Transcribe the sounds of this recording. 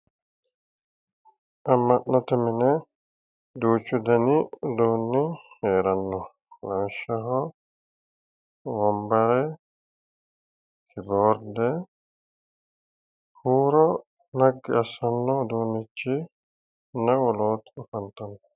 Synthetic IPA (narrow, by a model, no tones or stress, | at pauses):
ʔɐmːɐʔnːɐt̪ɛmɪnɛ | d̪uːt͡ʃːʊd̪ɐnɪd̪oːnːɪheːɾɐnːɔ | lɐnʃɐɦɔ | wɔmbɐɾɛ | kʰɪboːɾd̪ɛ | huːɾɔ | nɐɡːɪɐsɐnːɔd̪oːnːɪt͡ʃːɪ | nɐwɔloːt̪ʊfɐnt̪ɐnːɔ